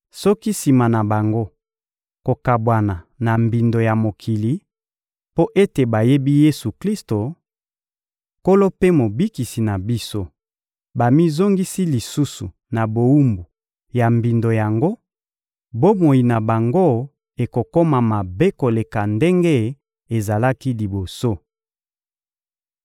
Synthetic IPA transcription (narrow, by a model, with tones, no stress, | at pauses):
sɔ˦ki˦si˨ma˨na˨ba˨ŋɡo˦ | ko˨ka˨bwa˨na˨na˨mbi˨ndo˨ja˨mo˨kʰi˨li˨ | po˦ʔe˦te˨ba˨je˦bi˦je˦su˨kli˦sto˨ | ko˦lo˦pe˦mo˨bi˦ki˨si˨na˨bi˦so˦ | ba˨mi˦zo˦ŋɡi˦si˦li˨su˦su˨ | na˨bo˨u˦mbu˨ | ja˨mbi˨ndo˨ja˨ŋɡo˦ | bo˦mo˨i˨na˨ba˨ŋɡo˦ | e˨ko˨ko˦ma˨ma˨be˦ko˨le˨ka˨nde˦ŋɡe˦ | e˨za˨la˦ki˦li˨bo˨so˦